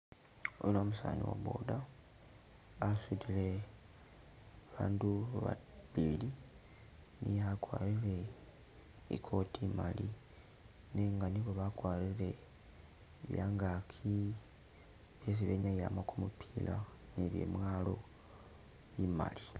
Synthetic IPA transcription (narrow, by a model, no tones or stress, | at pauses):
olomusa̰ːnḭwa̰βo̰da | sitile | aβaːnduβa̰βili | niakwaːɾiɾe̞ | ḭkʰo̞tʰimali | neŋɡaniβo̞βakwaːɾiɾe̞ | βjaːŋɡakʰi | βjes̬iβeɲajilamokumupʰilʔa | neβjḛmwaːlo̞ | βima̰li